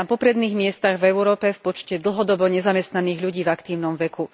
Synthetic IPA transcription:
apɔpɾɛd̪niːɣmɪɛst̪aɣvɛʊɾɔːpɛfpɔt͡ʃcɛd̪l̩ɦɔd̪ɔbɔɲɛzamɛst̪naniːɣʎuɟiːvakt̪iːʊnɔmʋɛku

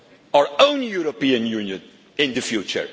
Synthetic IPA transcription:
aɹõʊ̃njuɾopiə̃njunjə̃n | ɪ̃nd̪əfjut͡ʃə̰ɹ

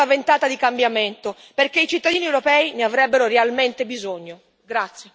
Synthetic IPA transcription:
avent̪aːt̪ad̪ikambjament̪o | perk̟eit͡ʃit̪ːad̪iːniewɾopɛːineavɾɛbːeɾorealment̪ebizoɲːo | ɡɾat̪sje

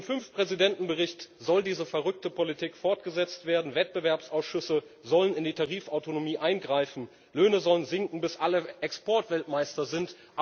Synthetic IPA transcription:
ɪmfʏnfpʁ̥ɛzidɛntn̩bəʁɪçtz̥ɔldiːzəfɛɐʁʏk̚təpʰolitʰiːkfɔɐtɡ̥əzɛt͡stv̥eːɐdn̩vɛt̚b̥əvɛɐpsʔaʊsʃʏsəzɔlənɪndiːtʰaʁiːfaʊtonomiːʔaɪnɡʁaɪfn̩ | løːnəzɔlənzɪŋkŋ̩bɪsʔaləʔɛkspɔɐtv̥ɛltmaɪstɐzɪnt | ʔ

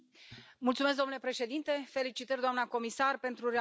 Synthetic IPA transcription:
mult̪sumes̬d̪o̞mnlepɾe̞ʃe̞d̪int̪e̞fe̞lit͡ʃit̪ərʲd̪oamnako̞misarpe̞nt̪ɾuɾe

